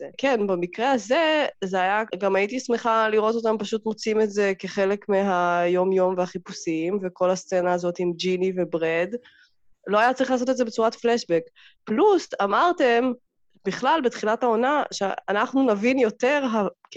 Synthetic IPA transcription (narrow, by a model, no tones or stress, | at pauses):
eke̞nbemikʁeaze̞zeajaɡamaitismeχaliʁo̞tot̪̬ampaʃut̪mot͡simetze̞keχe̞le̞kmeɦajo̞mjo̞mvehaχipusiimveko̞last͡senaːzo̞timd͡ʒinive̞bʁed | lo̞ajat͡saɐʁiχlaːs̬ote̞tzebe̞t͡suʁatfleʃbek | plusamaʁte̞m | biχlalbet̪χilathao̞naʃea̰naχnunavinjo̞te̞ʁɦa